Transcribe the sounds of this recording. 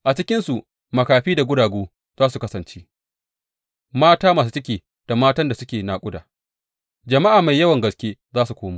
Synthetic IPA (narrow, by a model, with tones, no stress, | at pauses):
ʔa˨t͡ʃɪ˦kʲɪ˦nsu˨ʔ | mɐ˨kaː˨ɸiː˦da˨ɡʷʊ˦daː˨ɡoː˦ | z̥aː˦su˨kɐ˦sɐ˨nt͡ʃeː˦ | maː˦taː˦maː˨su˦tɐ˦k̬ʲeː˨ | d̥a˨maː˦tɐ˦nda˨sʊ˦kʲeː˨naː˨kʷʼʊ˦da̰ː˨ | d͡ʒɐ˨ma˦ʔaː˨ma˨jːɐ˦wɐ˨ŋɡɐ˨skʲeː˦zaː˦su˨kʷoː˦ma˦